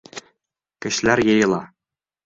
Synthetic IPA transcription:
kɘ̆ɕlæɾjɤ̆jɤ̆lˠɑ

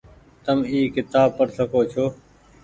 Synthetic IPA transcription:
t̪əmiːkɪt̪aːb̚pːəɾsəkoːt͡ʃʰoː

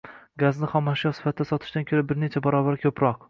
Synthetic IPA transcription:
ɡaznɪχɒmːaʃjɒsɪ̥fat̪ʰɪd̪asɒt̪ʰɪ̥ʃt̪ankʰʲɵɾabɪɾnet͡ʃʰabaɾɒbaɾkʲʰɵpɾɒq

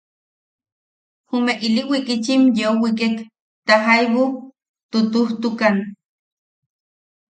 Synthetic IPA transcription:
humeʔiliʔwikit͡ʃimjeowik̬ek | t̪aɦajβo | t̪ot̪uht̪ukan

